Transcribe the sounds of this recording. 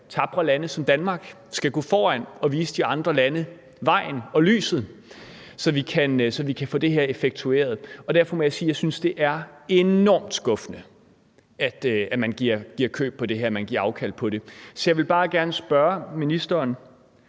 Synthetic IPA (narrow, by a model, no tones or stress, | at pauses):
t͡sʰɑ̈b̥ʁɐlænəsɒ̽md̥ænmɑ̈ːɡ̥ | sɡ̥æɡ̥ɔ̰̽ːfɒːæn̰ɒ̽ʋiːsəd̥iɑ̈nd̥ʁɐlænə | ʋɑ̈ɪ̰n̩ɒ̽ly̰ːsð̩ˠ | sɒ̽ʋikʰænsɒ̽ʋikʰæfɔ̰ːd̥e̝ɦeɐ̰e̝feɡ̥̚t͡sʰue̝̰ːɐð̞̩ˠɒ̽d̥æɐfɒ̽mɒ̽jɑ̈siːjɑ̈ɪsynsd̥e̝ʔæɐe̝nɒ̰ːmd̥sɡ̥ɔ̽fnə | æd̥æmænɡ̥iɐ̰ɡ̥iɐ̰kʰø̰ːb̥̚pɒ̽d̥e̝ɦeɐmænɡ̥iɐɑ̈ʊkʰæl̰̥pʰɒ̽ɾe̝sɒjɑɪʋe̝lb̥ɑ̈ːɡ̥æɐnəsb̥ɶɐminisd̥ɐːn